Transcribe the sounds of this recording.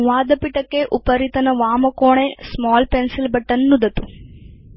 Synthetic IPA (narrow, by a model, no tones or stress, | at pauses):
ʋaːd̪ɐpiʈɐkːeʔupɐɾit̪ɐnɐʋaːmɐkoːɳesmaːlpensilbɐʈːɐnːud̪ɐt̪u